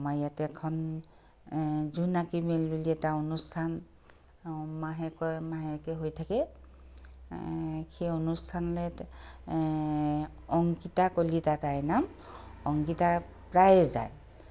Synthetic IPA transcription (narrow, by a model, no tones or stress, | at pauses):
majjatɛkʰɔn | zunakimelbuliɛtaonustʰan | maɦɛkɔmaɦɛkɛɦojtʰakɛ | kʰeonustʰanlɛ | ɔŋkitakolitatajnam | ɔŋkita | pɹajza̰j